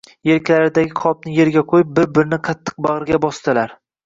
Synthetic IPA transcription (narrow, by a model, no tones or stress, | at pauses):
je̞ɾkʲʰlaɾɪd̪aɡʲɪqʰɒb̚nɪje̞ɾɡʲaqʰojɪp̚bɪɾ̚bɪɾɪnɪqʰɑt̪ʰːɨ̥q̚bɑʁɾɡʲabɒst̪ɪlaɾ